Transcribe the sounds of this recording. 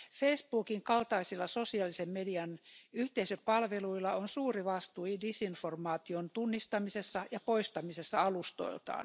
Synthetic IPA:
feispuːkiŋkɑlt̪ɑisilːɑsosiɑlisemmediɑnyht̪eisøpɑlʋeluilːˑɑonsuːriʋɑst̪uidisinformɑːt̪iont̪unːist̪ɑmisesːɑjɑpoist̪ɑmisesːɑɑlust̪o̰ilt̪ɑ̰ːn

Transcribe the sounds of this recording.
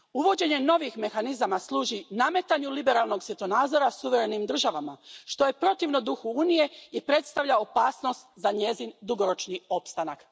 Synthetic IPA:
uʋo̞d͡ʑe̞ɲe̞no̞ʋixme̞xanizamaslˠuːʒiname̞t̪aɲulibe̞ɾalˠno̞ɡsʋjet̪onaːd̪zo̞ɾasuʋe̞ɾe̞nimd̪r̩ʒaʋamaʃt̪o̞je̞pɾo̞t̪iʋnod̪uxuuːnije̞ipɾe̞t̪st̪aʋʎao̞paːsno̞st̪zaɲe̞zind̪uɡo̞ɾo̞t͡ʃnio̞pst̪anak

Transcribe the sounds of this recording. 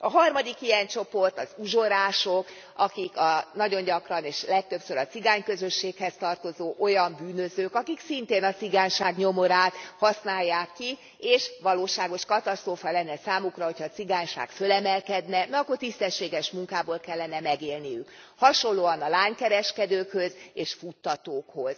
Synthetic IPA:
ɒɦɒrmɒd̪ikijɛnt͡ʃo̞po̞rt̪ɒzuʒo̞ɾaːʃok | ɒkikɒnɒɟo̞ɲɟɒkrɒneːʃlɛk̚t̪ø̞psøɾɒt̪siɡaːɲkøzø̞ʃːeːkhɛst̪ɒrt̪o̞zoːʔo̞jɒmbyːnøzøːkɒkiksint̪eːnɒt̪siɡaːɲʃaːɡɲo̞mo̞ɾaːt̪hɒsnaːjːaːkːi | eːʃʋɒloːʃaːɡo̞ʃkɒt̪ɒst̪roːfɒlɛnːɛsaːmukrɒɦo̞chɒːt̪siɡaːɲʃa̰ːɡfø̞lɛmɛlkɛd̪nɛmɛɒkːort̪ist̪ɛʃːeːɡɛʃmuŋkaːboːlkɛlːɛnɛmɛɡeːlnijyk | hɒʃo̞nlloːɒnɒlaːɲkɛɾɛʃkɛd̪øːkhøzeːʃfut̪ːɒt̪oːkho̞z̥

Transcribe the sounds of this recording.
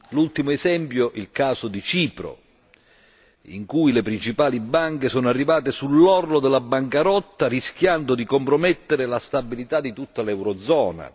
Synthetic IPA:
lult̪imoezɛmpjoʔilkaːsod̪it͡ʃiːpɾo̰ | ḭŋkujlepɾint͡ʃipaːlibːaŋkesɔːnoarːivaːt̪esulːɔrlod̪ɛlabːaŋkaɾɔt̪ːaɾisk̟jand̪ʊd̪ikompɾomɛt̪ːeɾɪlast̪abːilit̪ad̪ːit̪ut̪ːalɛwɾɔd̪zɔːna̰

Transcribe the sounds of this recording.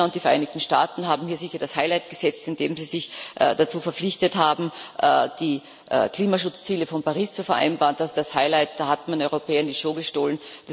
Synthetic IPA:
ʊntd̥iːfɛɐʔa̰ɪnɪktn̩ʃta̰ːtn̩ɦaːbm̩hiːɐzɪçɐdashaɪlaɪtɡ̥əz̥ɛt͡stɪndeːmziːzɪçʔd̥at͡suːfɛɐflɪçtəthaːbm̩ʔɛ̰d̥iː | ʔkl̥iːmaʃʊt͡st͡siːləfɔnpaʁiːst͡sufɛɐʔa̰ɪnbaːʁnd̥asd̥ashaɪlaɪt̚d̥aːhatmanɔʏʁopɛːɐɪndiʃoːɡəʃtoːlənd̥a

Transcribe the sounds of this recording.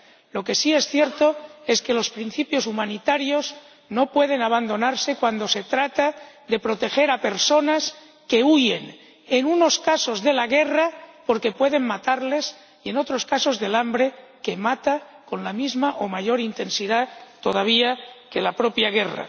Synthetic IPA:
lo̞ke̞sie̞sθjeɾt̪oe̞ske̞lospɾin̟θipjo̞sumanit̪aɾjo̞z | no̞pwe̞ð̞e̞naβand̪o̞naɾse̞kwand̪o̞se̞t̪ɾat̪a | ðe̞pɾo̞t̪e̞xe̞ɾape̞ɾso̞nas | ke̞uje̞n | enuno̞skaso̞zðe̞laɣ̞e̞rapo̞ɾke̞pwe̞ðe̞ŋmat̪aɾle̞s | ie̞no̞t̪ɾo̞skaso̞zðe̞lambɾe̞ke̞mat̪a | ko̞nlamizmaʔomaʝo̞ɾint̪e̞nsiðat̪o̞ð̞aβ̞iake̞lapɾo̞pjaɣ̞e̞ra̰

